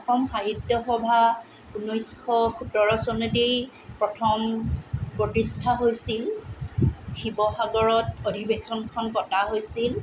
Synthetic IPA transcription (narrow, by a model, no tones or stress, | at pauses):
ɔxɔmxaɦitːɔxɔbʱa | unojskʰɔxutɔɹɔsɔnɔdej | pɹɔtʰɔmpɹotistʰaɦojsil | xibɔxaɡɔɹɔtodʱibexɔnkʰɔnkɔtaɦojsil